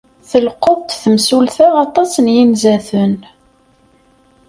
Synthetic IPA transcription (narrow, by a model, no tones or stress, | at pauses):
θəlqoðˤt̪θəmsulθæɑt̪ˤɑsənjinzæθən